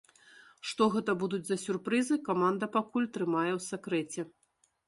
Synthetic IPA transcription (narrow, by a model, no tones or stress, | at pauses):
ʂt̪ɔɣɛt̪ɐbud̪ud͡zʲzɐsʲurpɾɨzɨkamand̪ɐpakulʲt̪ɾɨmajɛwsʲakɾɛt͡sʲɛ